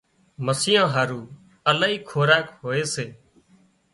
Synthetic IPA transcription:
məsɪjãːɦaːɾuː | əlaːɦiːkʰoːɾaːkɦoːeːseː

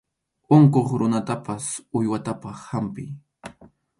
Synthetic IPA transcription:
oŋkoχɾʊnat̪apasʊjwat̪apahampɪ̰j

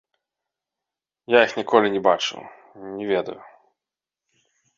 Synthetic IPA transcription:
jaixnʲikʰɔlʲinʲɛbat͡ʂɨ̰w | nʲɛvʲɛd̪ɐ̰ju

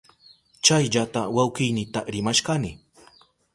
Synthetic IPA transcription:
t͡ʃajʎat̪awawkɪjnɪt̪aɾɪmaʃkanɪ

